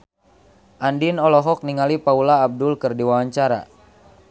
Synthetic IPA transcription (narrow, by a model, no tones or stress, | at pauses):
ʔandinɔlɔɦɔk̚niŋalipaulaːb̚dʊlkərdiwawaɲt͡ʃaɾa̰